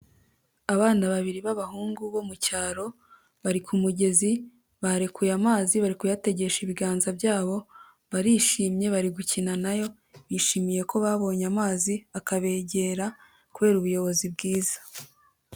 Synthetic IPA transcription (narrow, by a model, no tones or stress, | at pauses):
aβaːnaβaβiɾiβaβaɦuːŋɡuβo̞mucaːɾo̞ | βaɾikʰumuɟe̞zi | βaɾekujamaːziβaɾikujate̞ɟe̞ʃiβiɡaːnzabjaːβo̞ | βaɾiːʃiːmɲe̞βaɾiɡucinanajo̞ | βiːʃiːmije̞ko̞βaβo̞ːɲamaːziakaβe̞ːɟe̞ɾa | kuβe̞ːɾuβujo̞βo̞zibɡiːzḁ